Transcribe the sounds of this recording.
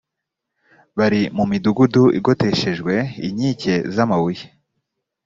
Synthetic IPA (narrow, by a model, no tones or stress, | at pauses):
βaɾimumiduɡuduʔḭɡo̞te̞ʃe̞ʒɡwe̞ḭɲiːce̞zamawuje̥